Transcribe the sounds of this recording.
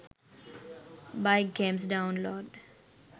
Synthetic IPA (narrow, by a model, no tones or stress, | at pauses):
baɪkɡẽmsɖãʊ̃nlɔːɖ